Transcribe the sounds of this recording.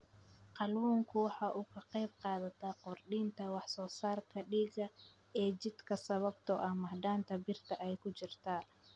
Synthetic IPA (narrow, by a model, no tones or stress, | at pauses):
qɑlwuːŋkʰʊwɑħɑːʔuːkʰɐqɛjb̚qɑːðɐt̪ʰaqʊrɖiːnt̪ʰɐwɑħsɔːsaːrkʰɐɖiːɣɐ | ɛːt͡ʃɪd̪kʰɐsɐβɐbt̪ʰɔʔɐhmɐhd̪aːnt̪ʰɐbɪrt̪ʰɐʔɛjkʰʊt͡ʃɪrt̪ʰaː